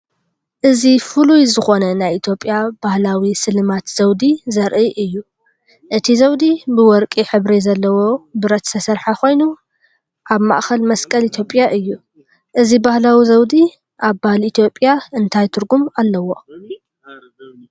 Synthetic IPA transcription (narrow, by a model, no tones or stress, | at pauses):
ʔɨzifɨlujzɨxo̞nɐnajit̪ʰjo̞pʼːjab̥ahlawisɨlɨmat̪z̥ɐwd̪izɐɾʔiʔɨjːu | ʔɨt̪ʰizɐwd̪ibɨwɔɾkʼiħɨβɾezɐlːɐwo̞bɨɾɐt̪sʰɐsɐɾħako̞jnu | ʔaβma̰ʔxɐlmɐskʼɐlit̪ʰjo̞pʼjaʔɨjːu | ʔɨzibahlawizɐwd̪i | ʔaβbahlit̪ʰjo̞pʼːjaɨnt̪ʰajt̪ʰɨɾɡumalːɐwo̞